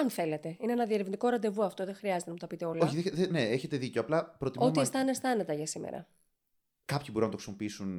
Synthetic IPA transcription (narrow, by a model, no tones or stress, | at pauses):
ɐnθe̞let̪e̞ineenɐðieɾevnd̪ikoɾɐnd̪e̞vuɐft̪oðexɾiɐzet̪enɐmut̪ɐpit̪e̞o̞loçieðeneeçe̞t̪e̞ðico̞ɐplɐpɾot̪ioumiest̪ɐnest̪ɐnet̪ɐʝɐsimḛɾɐ̰ | kɐpçibo̞ɾunɐt̪oksenopiisun